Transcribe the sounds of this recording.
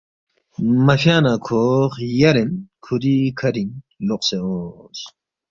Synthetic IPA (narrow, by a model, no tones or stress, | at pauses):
mɐfjaːnakʰoχjɐɾenkʰuɾikʰɐɾiŋ | loqseos